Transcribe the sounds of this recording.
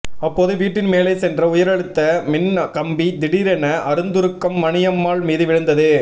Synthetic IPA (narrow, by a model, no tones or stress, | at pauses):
ɐpːoːðɯʋiːʈːɪnmeːlɐɪsɛndrɐʊjɐɾɐɻɯt̪ːɐmɪnkɐmbid̪ɪɽiɾɛnɐʔɐɾɯnd̪ɯɾɯkːɐmːɐɳɪjɐmːaːɭmiːðɯʋɪɻɯnd̪ɐðɯ